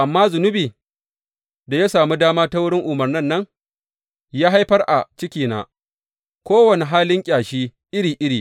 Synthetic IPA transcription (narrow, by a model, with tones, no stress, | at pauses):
ʔa˨mːaː˦zʊ˨nʊ˦biː˨ | da˨ja˦saː˨mu˦daː˦maː˦ta˦wʊ˦ɽɪ˦ŋʔʊ˨mɐ˨rnɪ˦nːɐ˦ŋ | jaː˦ɦa˦jɸɐ˦rʔa˨t͡ʃɪ˦kʲiː˨na̰ː˦ | kʷoː˦wɐ˨ne˨ɦaː˦lɪ˦ŋkʲʼaː˨ʃiː˦ʔɪ˦ɽiː˨ʔɪ˦ɾiː˨